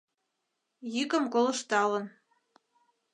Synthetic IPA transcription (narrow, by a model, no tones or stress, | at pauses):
jykə̆mkolɤ̆ʃt̪ɑlɤ̆n